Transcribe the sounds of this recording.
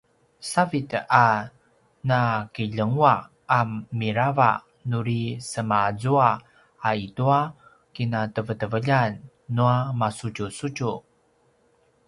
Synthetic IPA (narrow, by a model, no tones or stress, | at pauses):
savita | nakiʎəŋuaː | mːiɾava̰ | nuɾisəmazuaː | itua | kinatəvətəvəʎanː | uamasut͡ʃusut͡ʃu